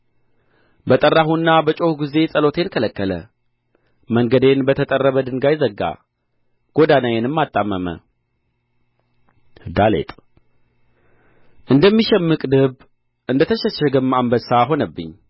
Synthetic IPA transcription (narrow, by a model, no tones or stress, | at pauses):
bət̪ʼərːaɦunːabət͡ʃʼo̞hɡize̞sʼəlo̞t̪ʰe̞nkʰələkːələ | məŋɡəd̪e̞nbət̪ʰət̪ʼərːəβəd̪ɨŋɡajɪzəɡːa̰ | ɡ̥o̞d̪anajenɨmːat̪ʼːamːəmə̰ | d̪alḛt̪ʼ | ʔɨnd̪əmːiʃɛmːɨkʼd̪ɨβ | ʔɨnd̪ət̪ʰəʃəʃɛɡəmːambəsaɦo̞nəbːɨ̰ɲː